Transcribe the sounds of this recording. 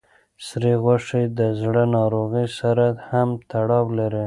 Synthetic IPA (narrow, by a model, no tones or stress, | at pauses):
sɾiɣwaʂejd̪əzɽənɑɾoɣəsaɾahamt̪aɽɑwlaɾi